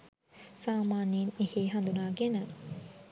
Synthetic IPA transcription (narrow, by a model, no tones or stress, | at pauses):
saːmaːniniheɦɐnd̪unaɡenɐ